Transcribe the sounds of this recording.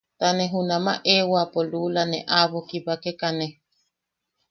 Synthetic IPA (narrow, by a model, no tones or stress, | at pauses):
t̪aneɦunama̰ʔewapolulaneʔaβokiβakekane